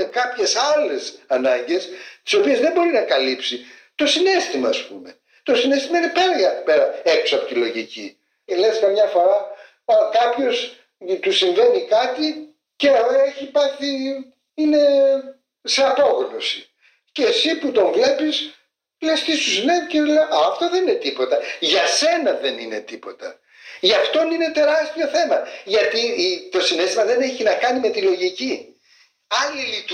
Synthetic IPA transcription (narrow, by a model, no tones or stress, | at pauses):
ekɐpçe̞sɐle̞sɐnɐɲɟe̞st̪i̥so̞pie̞zðembo̞ɾinɐkɐlipsit̪o̞sine̞st̪imɐːspume̞ | t̪o̞sinest̪imɐine̞peɾɣɐpeɾɐeku̥sɐpot̪ilo̞ʝici | leskɐmɲɐfo̞ɾɐ | kɐpço̞s | t̪usiɱve̞nikɐt̪i | ceoeçiːpɐɾçi | ine̞ | se̞ɐpo̞ɣno̞si | ce̞siput̪o̞ɱvle̞pis | lest̪ist̪usineviceðleɐɐft̪o̞ðe̞nine̞t̪ipo̞t̪ɐʝɐse̞nɐðenine̞̰t̪ipo̞t̪ɐ̰ | ʝɐft̪o̞nine̞t̪e̞ɾɐst̪io̞θe̞mɐʝɐt̪it̪o̞sine̞st̪imɐðe̞neçinɐkɐnime̞t̪ilo̞ʝici | ɐlilit̪